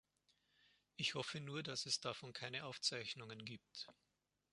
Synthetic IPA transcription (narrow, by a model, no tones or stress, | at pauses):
ʔɪçhɔfənuːɐdasɛsd̥afɔnkʰaɪnəʔaʊft͡saɪçnʊŋənɡiːp̚t